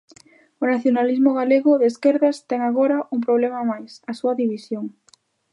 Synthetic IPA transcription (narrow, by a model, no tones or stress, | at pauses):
ʊnaθjonalizmʊɣaleɣʊðeskɛɾðast̪ɛŋaɣ̞oɾaʔuŋp̬ɾoβlemamajsɐsuɐðiβisjoŋ